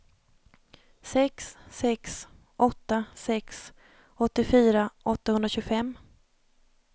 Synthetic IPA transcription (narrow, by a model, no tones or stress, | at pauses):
sɛksːɛks | ʔɔt̪ːasɛks | ɔt̪ːɪfyːɾaʔɔt̪ːahɵnɾaɕɵːɡfɛmː